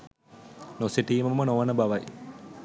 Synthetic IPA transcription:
noseʈiːməmmənoʋɐnəbaʋaj

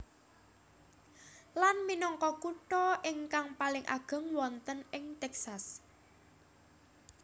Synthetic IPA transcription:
lanminɔŋkɔkuʈɔʔɪŋkaŋpalɪŋʔa̰ɡ̥ə̤ŋwɔnt̪ənɪŋt̪ɛksas

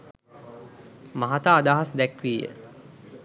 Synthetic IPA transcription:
maɦat̪aːd̪aːɦasd̪ækʋiːjə̰

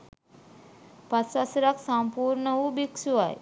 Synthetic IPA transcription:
pasasɐɾaksampuːɾɳəʋubiksuʋaj

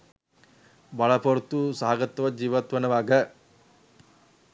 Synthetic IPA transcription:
bɐɭɐpɐɾt̪usaːɡɐt̪ːɐʋɐd͡ʒiːʋɐt̪ʋɐnɐʋaːɡɐ

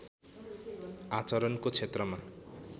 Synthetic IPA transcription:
at͡sʌɾʌnkot͡sʰet̪rʌma

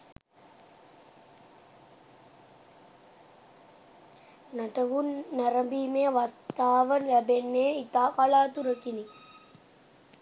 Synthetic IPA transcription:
naʈɐʋunːaɾɐmbiːmejɐʋast̪aːʋəlæbenːeːit̪aːkaɭaːt̪uɾəkini

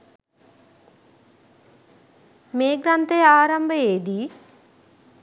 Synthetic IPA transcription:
meːɡɾɐnt̪ejaːɾɐmbəeːd̪i

